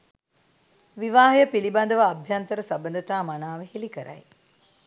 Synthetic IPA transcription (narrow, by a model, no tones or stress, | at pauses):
ʋiʋaːɦɐjəpiliband̪əʋaːbʱjant̪əɾəsabənd̪ət̪aːmanaːʋəɦelikəɾa̰j